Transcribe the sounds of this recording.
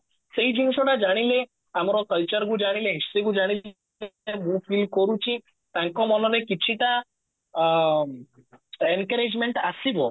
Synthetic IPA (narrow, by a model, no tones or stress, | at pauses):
seɦĩd͡ʒunsɔɽad͡ʒaɽ̃ile | amɾɔkəlt͡ʃəɾɡũd͡ʒaɽ̃ilẽɦist̪iɡũd͡ʒaɽ̃i | emũfʰilkɔɾũt͡ɕĩ | t̪ãŋkɔmɔlɔlekit͡ɕʰiʈ̪a | enkəɾed͡ʑmeɳʈasiʋɔ